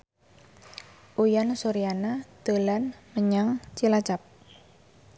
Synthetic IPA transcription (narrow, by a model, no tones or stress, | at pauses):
ʔujansoɾianat̪əlanməɲaŋt͡ʃilat͡ʃap̚